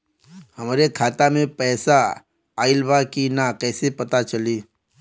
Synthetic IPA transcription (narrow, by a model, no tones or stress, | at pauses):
həmɾekʰaːt̪amẽpɛːsa | aːɪlbakinakɛːsepət̪at͡ʃəliː